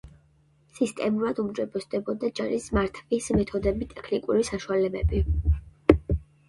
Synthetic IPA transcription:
sist̪ʼɛmuɾad̪umd͡ʒɛbɛsd̪ɛbɔd̪ad͡ʒaɾismaɾt̪ʰvismɛt̪ʰɔd̪ɛbit̪ʼɛkʰnikʼuɾisaʃualɛbɛbi

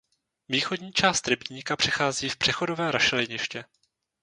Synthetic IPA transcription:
viːxodɲiːt͡ʃaːst̪ɾɪbiɲikapr̝̥ɛxaːziːfpr̥ɛxo̞dovɛːɾaʃɛlɪɲɪʃcɛ

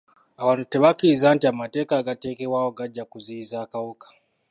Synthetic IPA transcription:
aβanute̞βakizaːntiamate̞ːkaːɡate̞ːke̞βwawoɡaɟːakuzizaːkawukḁ

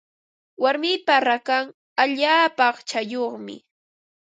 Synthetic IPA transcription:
waɾmɪpaɾakaŋ | aʎaːpɑχt͡ʃajoχmɪ̰

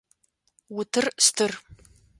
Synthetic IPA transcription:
wʊtʰɨrstʰɨr

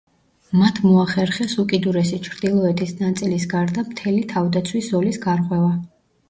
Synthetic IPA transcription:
mat̪ʰmɔaχɛɾχɛsukʼid̪uɾɛsit͡ʃʰɾd̪ilˠɔɛt̪ʰisnat̪sʼilisɡaɾd̪amt̪ʰɛlit̪ʰavd̪at̪sʰwisɔlisɡaɾqʼwɛva

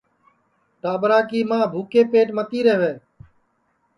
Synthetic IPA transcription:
ʈaːbɾaːkiːmãːbʱuːkeːpeːʈmət̪iːɾəɦʋeː

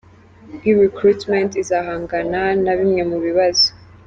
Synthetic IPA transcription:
hiɾikɾutmẽntizaːɦaːŋɡananaβimŋe̞muβiβazo

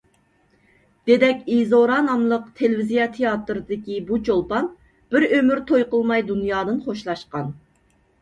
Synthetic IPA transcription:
d̪̥ed̪ɛkʲizoɾɑnɑmlˠəqt̪ʰelvizijɑt̪ʰejɑt̪ɾɨd̪ɪkʲibut͡ʃʰolˠpɑn | b̥ɪɾømyɾt̪ʰojqəlˠmɑjd̪unjɑːd̪ɨnχoʃlˠɑʃqɑn

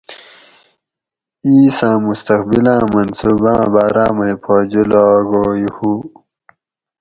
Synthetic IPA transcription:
iːsãːmust̪ɐqbilãːmɐnsubã̰ːbaːɾãːmɐjpʰaːd͡ʑulaɡoːjihu

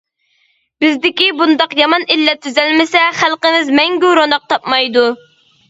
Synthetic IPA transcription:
bɪzd̪ɪkʲibund̪ɑqjɑmɑnilːɛt̪ʰːyzɛlmɪsɛχælˠqəmɪzmɛŋɡʲyɾonɑq̚t̪ʰɑpmɑjd̪u

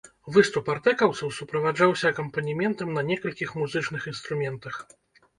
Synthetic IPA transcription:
vɨst̪upart̪ɛkɐwt̪sɐwsupɾɐvad͡ʐawsʲɐkɐmpɐnʲimʲɛnt̪ɐmnɐnʲɛkɐlʲkʲixmuzɨt͡ʂn̪ɨxinst̪ɾumʲɛnt̪ɐx

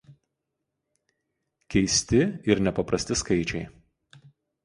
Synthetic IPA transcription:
kʲɛɪsʲt̪ʲɪɪɾnʲɛpɐpɾɐsʲt̪ʲɪskɐɪt͡ʃʲɛɪ

